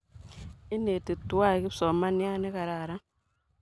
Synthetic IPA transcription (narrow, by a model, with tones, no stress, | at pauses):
i˦ne˨ti˨tu˦a˦˨ki˦sɔ˨ma˦ni˦a˦ne˦ka˨ɾa˨ɾa˦